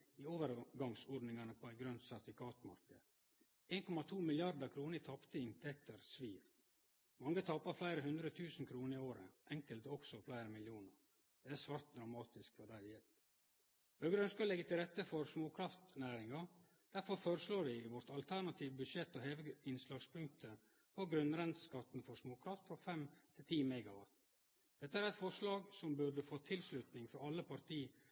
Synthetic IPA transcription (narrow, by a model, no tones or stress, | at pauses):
iːoːʋəɾɡɑŋsɔɖnɪŋɑnəpʰoːæɪɡɾœnt̪sæɾt̪fɪkʰɑːt̪mɑ̰ɾkə̰d̪ | eːnkʰɔmɑt̪ʰuːmɪlɪɑɾd̪əkʰɾuːnəət̪ʰɑpt̪əɪnt̪ʰɛk̚t̪əɾsʋiːɾ | mɑŋːət̪ʰɑːpɑɾflæɪɾəɦʉnd̪ɾət̪ʰʉːsn̩kʰɾuːnəɾɪoːɾə̰ʔɛŋkəlt̪əɔksɔflæɪɾəmɪljuːnəɾ | d̪̥ɛæsʋɑːɾt̪̚d̪ɾɑmɑːt̪ɪskfɔɖæjɛl | b̥œɡəɾœnskɑlɛɡət̪ʰɪlɾɛt̪ːəfɔɾsmoːkʰɾɑft̪næːɾɪŋɑ | d̪̥æɾfɔɾfoːɾəsloːɾʋɪʋɔɾt̪ɑlt̪ʰæɳɑt̪ʰiːʋbʉʂɛt̪ːoːheːʋəɪnslɑːɡspʰʉŋk̚t̪ʰə | pʰɔɡɾʉnɾɛnt̪skɑt̪n̩fɔsmoːkʰɾɑft̪fɾɔfɛmt̪ʰɪlt̪ʰiːmæɪɡɑʋɑ̰t̪ | d̪̥ɛt̪ːəæːɾɛɪt̪fɔɾʂlɑːɡsɔmbʉɖəfoːt̪ʰɪlslʉt̪nɪŋfɔɾɑlːəpʰɑɾt̪ʰiː